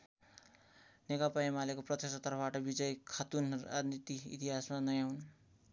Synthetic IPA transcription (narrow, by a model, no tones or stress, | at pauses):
nekapaemalekoprʌt̪esʌt̪ʌrpʰbaʈʌbid͡zʌjkʰat̪una̰d͡znit̪iḭt̪iɦasmanʌjawn